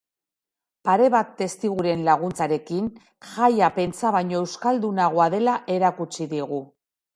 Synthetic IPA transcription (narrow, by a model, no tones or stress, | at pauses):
paɾe̞βat̪ːe̞st̪iɣuɾe̞nlaɣ̞unt͡saɾe̞kin | ʝajape̞nt͡saβajɲo̞e̞wskald̪unaɣ̞oaðe̞laʔe̞ɾakut͡siðiɣ̞u